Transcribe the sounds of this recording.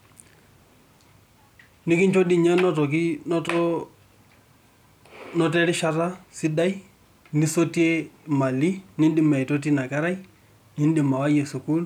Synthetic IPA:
nɪ˦kɪ˦nt͡ʃo˦di˦˨ɲɛ˦nɔ˦tɔ˨ki˦tɔ | nɔ˦tɛ˦ɾɪ˦ʃa˦ɾa˦sɪ˦da˦i˦ | ni˦so˦te˦ma˨li˦nɪ˦ndɪ˨mɛ˨jto˦t̬i˦na˨ka˦ɾa˦j | nɪ˦n˦dɪ˨ma˨wa˦jɛ˨su˨ku˦l

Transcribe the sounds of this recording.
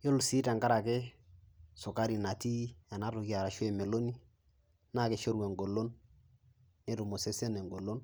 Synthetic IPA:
jo˦lsi˦ta˨ŋɡa˦ɾa˨ke˦ | sʊ˨ka˦ɾi˨na˨ti˦a˨na˦tʊ˨ki˦a˨ɾa˨ʃwɛ˨me˨lo˦ni˦ | na˦˨ke˨ʃo˦ɾwɛ˨ŋɡo˨lo˦nː | e˦tʊ˨mo˨se˦se˦nɛ˨ŋɡo˨lo˦n

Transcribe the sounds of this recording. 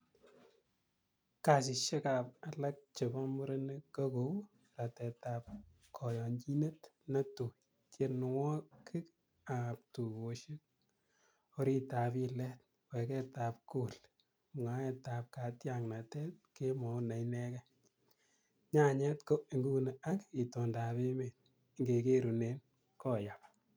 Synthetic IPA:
ka˨s̬ɪ˨ʃɛ˦ka˨pa˨la˦k̚t͡ʃɪ˨bɔ˦mʊ˦ɾe˦ne˦ko˦ko˦ | ra˨tɛ˨ta˨p̚ | kʰɔ˨jɔ˨ɲt͡ʃi˦ne˦tna˦tu˨ | t͡ʃe˨n˨wɔ˦kʰɪ˦k | a˨p̚tu˨ko˨ʃe˦t̚ | o˦ɾi˦ta˨pi˦lɛ˦t̚ | wɛ˨kɛ˦ta˨p̚ku˦˨l | ma˦ɛ˨ta˨p̚ka˨tja˨ŋna˨tɛ˦t̚ke˦mɔ˨na˨jnɛ˦kɛ˦ | ɲa˦ɲɛ˦tko˦i˨ŋɡu˦ne˨a˦ki˨to˨nda˨pe˦me˨t̚ | ŋɡe˨ke˦ɾu˨ne˨n | kɔ˦ja˨p

